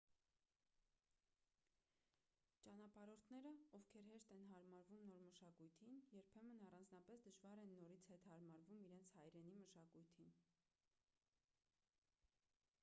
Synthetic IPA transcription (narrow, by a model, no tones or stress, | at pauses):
t͡ʃɑnɑpɑɾɔɾt̪ʰnɛɾəɔvkʰɛɾɦɛʃt̪ɛnɦɑɾmɑɾvumnɔɾməʃɑkujt̪ʰinjɛɾpʰɛmənɑrɑnd͡znɑpɛsd̪əʒvɑɾɛnːɔɾit͡sʰhɛt̪hɑɾmɑɾvumiɾɛnt͡sʰhɑjɾɛniməʃɑkujt̪ʰin